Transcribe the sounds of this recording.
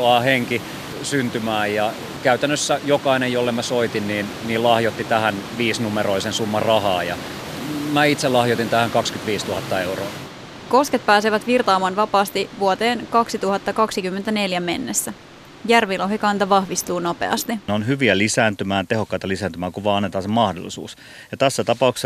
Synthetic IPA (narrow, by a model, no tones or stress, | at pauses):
oɑheŋki | synt̪ymæːjɑ | kæyt̪ænːøsːæjokɑinejolːemæsoit̪inniːn | niːlɑhjot̪ːit̪æhænʋiːsnumeɾoisensumːɑrɑhɑːjɑ̰ | mæit̪selɑhjot̪int̪æhæŋkɑkskyt̪ʋiːst̪uhɑt̪ːɑeuroː | ko̞sket̪̚pæːs̬eʋæt̪ʋirt̪ɑːmɑnʋɑpɑːst̪iʋuot̪eːnkɑksit̪uhɑt̪ːɑkɑksikymːent̪æne̞ljæme̞nːesːæ | jærʋiloɦikɑnt̪ɑʋɑhʋist̪uːno̞pḛɑ̰st̪ineonɦyʋiælisæːnt̪ymæːt̪ehokːɑit̪ɑlisæːnt̪ymæːkuʋɑːɑnːet̪ɑːsemɑhdo̰lːˑisṵːs | jɑt̪æsːæt̪ɑpɑukse